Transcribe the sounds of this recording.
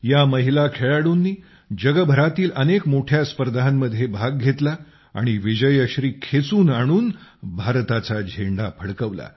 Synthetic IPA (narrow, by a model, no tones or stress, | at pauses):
jaməɦilakʰeɭaɽuːnːiː | d͡ʑəɡəbʱəɾat̪iːlənekmoʈʰjaspəɾd̪amːəd̪ʱːjebʱaɡ̚ɡʱet̪la | a̰ɽ̃iʋid͡ʑəjəɕɾiːkʰet͡suːnaɽ̃uːnbʱaɾt̪at͡sad͡ʑʱeɳɖapʰəɽkəʋla̰